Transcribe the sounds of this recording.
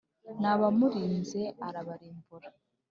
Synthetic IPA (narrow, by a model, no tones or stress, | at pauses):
naβamuɾiːnze̞aɾaβaɾiːmbuɾḁ